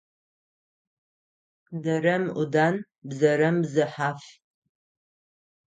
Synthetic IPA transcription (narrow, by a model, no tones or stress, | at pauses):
dɐɾɐmʊdaːn | bzɐɾɐmzɨħaːf